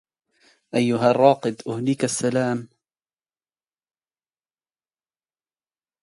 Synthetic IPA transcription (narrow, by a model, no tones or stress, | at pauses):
ʔajːʊɦarˤːɑːqɨd̪ʔʊhlɪkasːalaːm